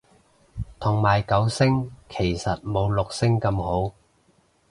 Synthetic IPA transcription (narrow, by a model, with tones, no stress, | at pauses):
t̪ʰʊ˨˩ŋmaː˨˩jkɐ˨˥wsɪ˥ŋkʰe˨˩jsɐ˨t̚mo˨˧wlʊ˨k̚sɪ˥ŋkɐ˧mho˨˥w